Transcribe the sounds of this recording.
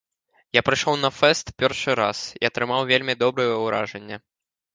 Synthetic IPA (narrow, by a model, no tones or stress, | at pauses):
japɾɨjʂɔwnɐfɛst̪pʲɛrʂɨɾasḭɐt̪ɾɨmawvʲelʲmʲid̪ɔbɾɨjɛwɾa̰ʐɛnʲːɐ